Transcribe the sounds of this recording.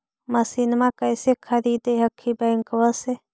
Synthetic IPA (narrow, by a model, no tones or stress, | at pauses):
masinmakəjsekʰəɾiːd̪eɦɐkʰːibɛːŋkʋəse